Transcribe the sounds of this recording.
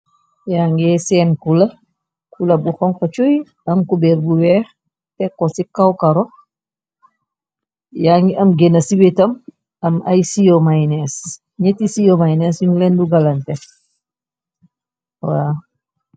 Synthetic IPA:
jaŋɡɛsɛːnkulɐ | kʰulɐbuxɔŋkɐt͡ʃoj | ɐmkubɛɾbuwɛːx | tɛkːɔsikawkɐɾɔ | jaŋɡiʔɐmɡenɐsiwetɐm | ɐmɐjsijomajnɛs | ɲɛtisijomajnɛsjuŋulɛnduɡalɐntɛ | wa

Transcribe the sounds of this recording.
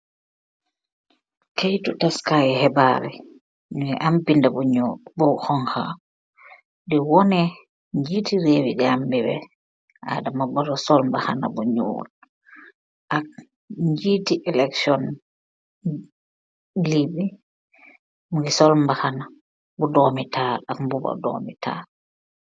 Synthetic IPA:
kejtutaskajɛhɛbaɾɛ̰ | nuŋɛʔampindabɔɲobɔwhɔŋha̰ | dɛwɔnɛ | ɲd͡ʒitiɾewiɡambibɛ̰ | ʔa̰damabɔɾɔsɔlmbahana̰bɔɲṵːl | ʔak̚ | ɲd͡ʒitiʔɛlɛksɔn | libi | muɡisɔlmbahana | bɔdɔmitʰaːlakmbubɔ̰dɔ̰mitʰa̰ːl

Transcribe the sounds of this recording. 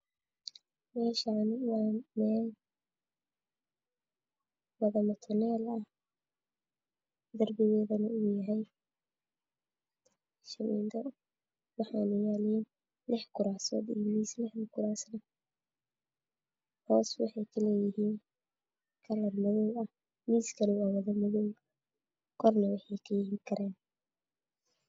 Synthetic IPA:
mɛːʃanɪwɑːmɛːl | wɐɣɐmɐt̪ʰʊnɛːlɐh | d̪ɐrbɪɣɛːðɐnɐʊjɐɦɛj | ʃɐmḭːnd̪ɐ | wɑħaːnʊjaːlɛn | lɪħkʰʊɾaːsɔ̰ːd̪imiːslɪħnɐkʰʊɾaːsnɐ | hɔːswɑ̰ħɑjkʰɐlɛːjɪɦiːn | kʰɐlɐrmʊðɔwɐh | miːskʰɐnɪwaːwɐðɐmʊðɔːw | kʰɔrnɐwɑħɑjkʰɐjɪɦiːŋkʰɐɾɛːn

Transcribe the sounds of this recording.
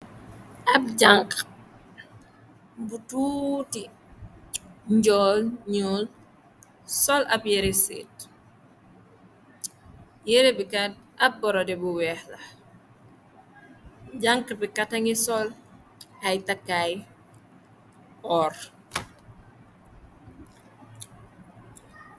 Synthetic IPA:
ɐp̚ɟaŋk | butuːti | ɲɟɔlɲɔːl | sɔlɐpjɛɾesḛːt | jɛɾebikatʔɐp̚bɔɾɔdɛbuwɛːhlɐ | ɟaŋkəbikatɐŋisɔl | ɐjtakːaj | ɔːr

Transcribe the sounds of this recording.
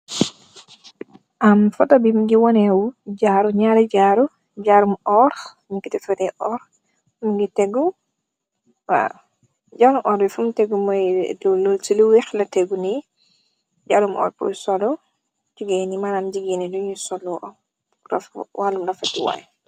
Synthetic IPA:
ʔamfatabimɡiwɔnɛwud͡ʒaɾuɲaɾɛd͡ʒaɾu | d͡ʒaɾumɔɾ | ɲikːitɛfɛdɛʔɔɾ | mɡiteɡu | wa̰ | d͡ʒaɾumʔɔɾbifumteɡumɔjlloltiluwɛxlateɡuni | d͡ʒaɾumʔɔ̰ːɾpṵsɔlɔ | d͡ʒiɡɛnimanamd͡ʒiɡinidunisɔlɔʔɔ | ɾa̰fwʔalumɾafatiwa̰j

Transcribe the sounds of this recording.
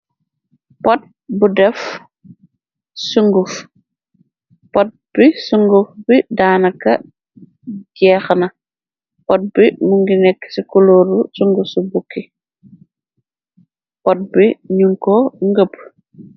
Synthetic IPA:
pɔt̚ | budɛf | suŋɡuf | pɔt̚b̥isuŋɡufbidaːnɐkːɐ | ɟɛːxnɐ | pɔt̚bimuŋɡinɛkːsikɔlɔɾusuŋɡusubukːi | pɔt̚biɲuŋkɔŋɡəp̚

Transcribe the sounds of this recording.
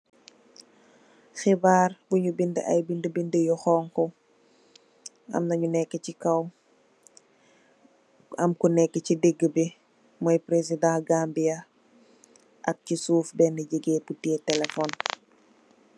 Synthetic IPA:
xibaːrbuɲubindəʔɐ̰jbindəbindəjɔxɔːŋkɔ | ɐ̰mnɐɲunɛkːəcikɐw | ɐmkunɛkːəcideɡːəbi | mɔjpɾesidãɡaːmbijɐ | ʔɐk̚cisuːfbɛnəɟəɡɛːputɛːtɛlɛfɔn

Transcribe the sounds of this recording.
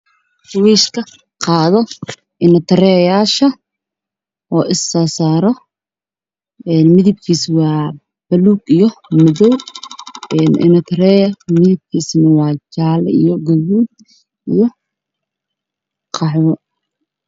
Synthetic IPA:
twiːʃkʰɐ | qɑːðɔ | ʔɪnɐt̪ʰɐɾɛːjaːʃɐ | ɔːʔɪsːaːsaːɾɔ | ɛːnmɪðɪb̚kʰiːswɑː | b̥ɐluːɡijɔmɔðɔw | ɛːnɪ̰nɐt̪ʰɐɾɛːjɐmɪðɪb̚kʰiːsnɐwɑːt͡ʃaːl̰ḭjɔɡɐβuːd̪ | ʔijɔ | qʰɑħwɔ

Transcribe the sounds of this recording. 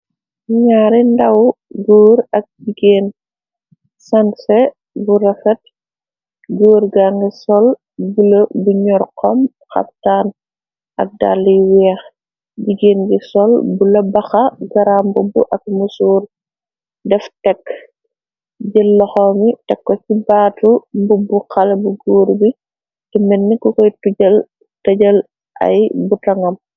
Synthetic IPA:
ɲaːɾindɐwɡuːɾɐk̚d͡ʒiɡeːn | sɐnsɛ | buɾɐfɛt̚ | ɡoːɾɡaŋɡisɔl | bulɐbuɲɔrqʰɔm | xɐ̰p̚tan | ʔɐ̰k̚da̰lːiwɛːx | ɟiɡeːnɡisɔlbulɐbɐxɐɡɐɾaːmbubuʔɐk̚musuːr | dɛftɛkː | ɟilːɔxɔmitɛkːɔcibaːtumbubuxɐlɐbuɡoːɾbi | tɛmɛnːikɔkɔjtuɟɐl | tɐɟɐl | ʔɐ̰jbutɐŋɐm

